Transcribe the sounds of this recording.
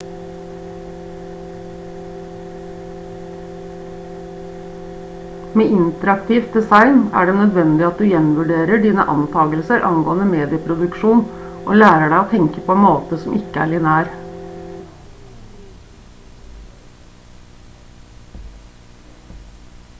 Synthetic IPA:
meːʔɪnt̪əɾɑkt̪ʰiːft̪̚d̪ɛsɑɪnæ̰ːɖeːnœd̪ʋɛnd̪ɪɑt̪̚d̪ʉːjɛnʋʉɖeːɾəɖiːnə̰ʔɑ̰nt̪ʰɑːɡəlsəɾʔɑ̰ŋɡoːənəmeːd̪ɪəpʰɾʊd̪ʉkʃuːnʔo̰ːlæːɾəɖæɪoːt̪ʰɛŋkəpʰoːɛnmoːt̪əsɔmʔɪkəæ̰ːɭɪnæːɾ

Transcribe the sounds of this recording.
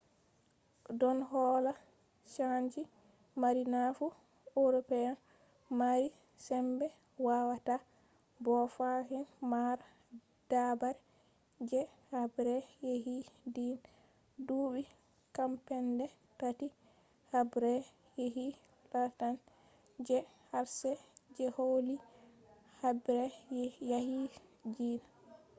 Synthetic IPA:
dɔnɦɔːla | ʃaɲd͡ʒi | maɾinafu | oɾɔpɛjan | maɾi | sɛmbɛ | wawata | bɔfahinmaɾ | d̥abaɾɛ | d͡ʒɛ | habɾɛjeɦidin | duːɓi | kampɛndɛ | tati | habɾɛ | jeɦi | latan | d͡ʒɛ | haɾsɛd͡ʒɛholi | habɾɛjahid͡ʒiːna

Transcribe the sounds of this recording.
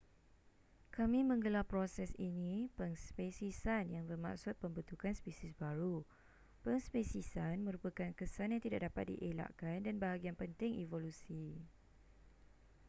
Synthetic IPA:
kamĩmə̃ŋɡəlapɾosɛsinĩpəŋspesisanjaŋbərma̰ksʊt̪̚pəmbət̪ukanspisisbaɾu | pəŋspesisanmə̃ɾupakankəsanjãŋt̪idaʔdapat̪̚dḭʔela̰ʔkandanbaɦaɡianpənt̪ɪŋʔivolusi

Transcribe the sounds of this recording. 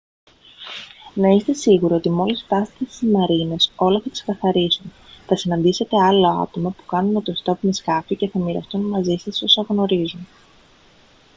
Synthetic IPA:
nɐist̪e̞siɣuɾio̞t̪imo̞lisft̪ɐsi̥t̪est̪izmɐɾine̞so̞lɐθɐt̪i̥skɐθɐɾisunθɐsinɐnd̪ise̞t̪e̞ɐlo̞ɐ̰t̪o̞mɐpu̥kɐnunet̪ost̪o̞pumiskɐfice̞θɐmiɾɐst̪unmɐzisɐso̞sɐɣno̞ɾizun

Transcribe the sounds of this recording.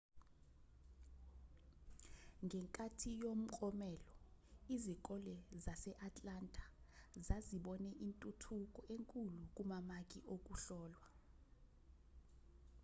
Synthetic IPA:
ŋɡʱɛŋkʼatʰijom̩kʼɔmɛlɔizik̬ʼɔlɛzasɛʔatʼlantʼḁzaziɓɔnɛʔintʼutʰukʼɔʔeŋkʼuluk̬ʼumamak̬ʼiʔok̬ʼuɬɔːlwa

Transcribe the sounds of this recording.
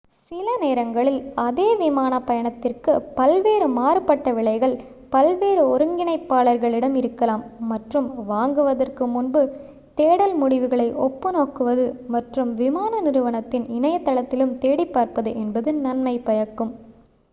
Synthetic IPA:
sɪlɐneːɾɐŋɡɐɭɪlɐðeːʋɪmaːnɐpːɐjɐɳɐt̪ːɪrkɯpɐlʋeːɾɯmaːɾɯpɐʈːɐʋɪɭɐɪɣɐɭ | pɐlʋeːɾɯɔɾɯŋɡɪnɐɪpːaːɭɐɾɣɐɭɪɽɐmɪɾɯkːɐlaːmːɐʈrɯmʋaːŋɡɯʋɐðɐrkɯmʊnbɯ | t̪eːɽɐlmʊɽɪʋɯɣɐɭɐɪʔɔpːɯnoːkɯʋɐðɯmɐʈrɯmʋɪmaːnɐnɪɾɯʋɐɳɐt̪ːɪnɪnɐjɐt̪ːɐɭɐt̪ːɪlɯmt̪eːɽipːaːɾpɐðɯʔɛnbɐðɯnɐnmɐɪpɐjɐkːɯm

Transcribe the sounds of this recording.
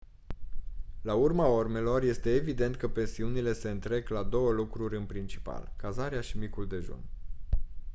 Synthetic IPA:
laurmaorme̞lo̞rje̞st̪e̞ːvid̪e̞nt̪kəpe̞nsiunile̞se̞ɨnt̪ɾe̞ɡlad̪o̞wəlukɾuɾʲɨnpɾint͡ʃi̥pa̰lkazaɾeaʃimikuld̪e̞ʒo̰n

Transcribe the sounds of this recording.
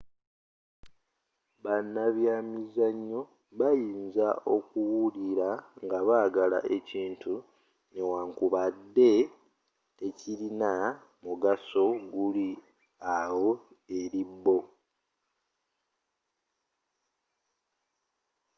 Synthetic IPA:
βanːaβjamizaɲːo̞ | βajiːnzaʔo̞kuwuliɾaŋɡaβaːɡala̰ʔe̞ciːntu | newaːŋkuβadːe̞ | ecilina | muɡaso̞ɡuli | awo̞ | e̞ɾibːo̞

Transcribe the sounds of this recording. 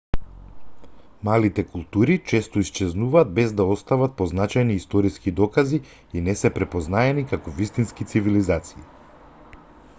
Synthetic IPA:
malit̪ɛkulˠt̪uɾit͡ʃɛst̪ɔist͡ʃɛznuvaːd̪̚bɛzd̪aɔst̪avat̪̚pɔznat͡ʃajniːst̪ɔɾiskid̪ɔkazi | inɛsɛpɾɛpɔznaɛnikakɔvist̪inskit̪sivilizat̪sii

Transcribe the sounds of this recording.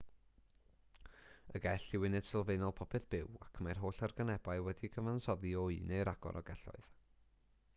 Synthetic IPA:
əɡɛɬɪwɪnɨd̥sɪlˠvejnɔlˠpʰɔpʰɛθb̥ɪwakʰmarɦoːɬarɡənɛbaɨwɛdiɡəvansɔðiɔɨnejɾaɡ̥ɔ̰ɾʔɔ̰ɡɛɬɔ̰ɨð̥

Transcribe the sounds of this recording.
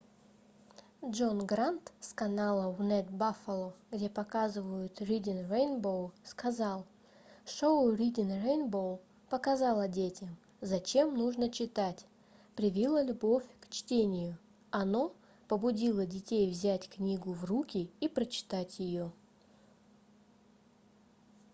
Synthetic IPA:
dʐo̞nɡɾant̪skɐnalˠənɛt̪bafəlˠoɡdʲe̞pɐkazɨvəjʊt̪ɾʲidʲɪnrejnbowskɐzɑlˠ | ʂoʊɾʲidʲɪnrejnbowˠ | pəkɐzɑlˠədʲetʲɪm | zɐt͡ɕe̞mnuʐnət͡ɕɪt̪atʲ | pɾʲɪvʲilˠəlʲʊbo̞fʲkt͡ɕtʲenʲɪjʊ | ɐno̞ | pəbʊdʲilˠədʲɪtʲejvzʲætʲknʲiɡʊvrukʲɪipɾət͡ɕɪ̥t̪atʲjɪjo

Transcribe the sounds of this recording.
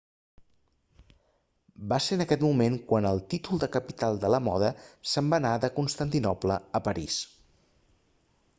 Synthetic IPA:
baseənəkɛt̪mumeŋkwanəlˠt̪it̪ulˠd̪əkəpit̪alˠd̪ələmɔðəsəmbanaðəkunst̪ənt̪inɔplə̰əpəɾis

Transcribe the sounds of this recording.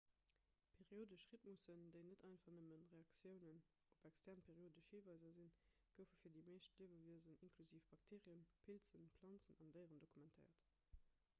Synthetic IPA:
pʰeʁioːdəʃʁit̚musəndəɪnətɑɪnfɐnəmənʁeɑkt͡sjəʊnən | opækstʰɛʁnpʰeːʁioːdəʃhiːvɑɪzɐzin | ɡ̥əʊfəfiːɐdimeːʃtliəvəviəzəninkʰluziːfb̥ɑk̚tʰeːʁiənpʰilt͡sənplɑnt͡sənɑndəɪʁəndokʰumɛntʰɛ̰ɪɐt

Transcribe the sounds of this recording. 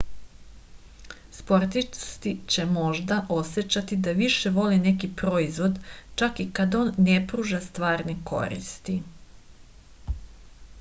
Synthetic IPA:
spo̞ɾt̪ist̪it͡ɕe̞mo̞ʒd̪aʔo̞set͡ɕat̪id̪aʋiʃe̞ʋo̞line̞kipɾo̞izʋo̞d̪t͡ʃakikad̪oːnːepɾuːʒast̪ʋaːɾniko̞̰ɾḭst̪i

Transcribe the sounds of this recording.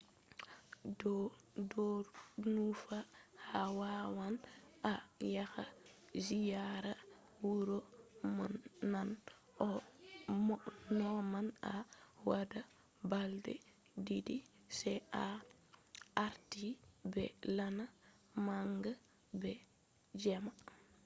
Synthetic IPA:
d | dɔnufahawawanajaxa̰ | zijaɾa | wuɾɔmanːan | ʔɔ | mnɔmanawada | baldɛ̰ | didi | sɛa | aɾtibɛ̰lana | maŋɡa | bɛ | d͡ʒɛma

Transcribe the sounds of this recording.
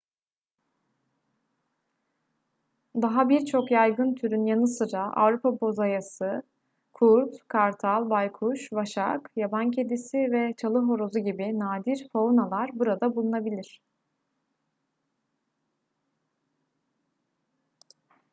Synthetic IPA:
d̪aɦabiɾt͡ʃʰo̞kjajɡɯnt̪ʰyɾynjanɯsɯɾaʔa̰vɾupʰabo̞zajasɯ | kʰuɾt̪kʰaɾt̪ʰalˠbajkʰuʃvaʃa̰kjabancʰe̞d̪isivɛt͡ʃʰalˠɯɦo̞ɾo̞zuɟibinaːd̪iɾpʰo̞unalˠaɾbuɾad̪abulˠunabilʲiɾ̥

